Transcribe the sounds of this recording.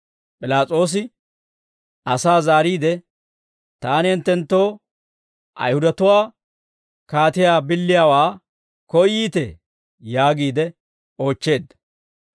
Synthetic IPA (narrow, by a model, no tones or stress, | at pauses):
pʼɪlaːt͡sʼo̞ːs̬ɪ | ʔɐsaːzaːɾiːd̪ɛ | t̪aːnɪɛnt̪ːɛnt̪ːo̞ː | ʔɐ̰jhʊd̪ɐt̪ʊwaː | kaːt̪ɪjaːbɪlːɪjaːwaː | kɔjːiːt̪ɛ | jaːɡiːd̪ɛ | o̞ːt͡ʃːe̞ːd̪ːɐ̥